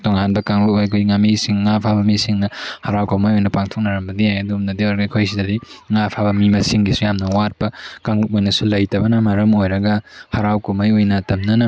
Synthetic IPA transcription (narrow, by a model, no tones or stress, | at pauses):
toŋanbɐkaŋbɐojkʰujŋamisiŋːapʰabɐmisiŋnɐhɐɾawkomajojnɐpaŋtʰok̚nɐɾɐmbɐdijajɐdumnɐdiojɾɐɡɐikʰojs̬idɐdiŋapʰabɐmimɐsiŋɡisujamnɐwat̚pɐkaŋut̚ojnɐsulɐjtɐbɐnɐmɐɾɐmojɾɐɡɐhɐɾawkomɐjojnɐtɐmnɐnɐ